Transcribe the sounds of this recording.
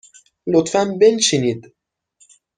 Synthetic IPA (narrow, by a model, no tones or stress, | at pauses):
lot̪fænbe̞nt͡ʃiniːd̪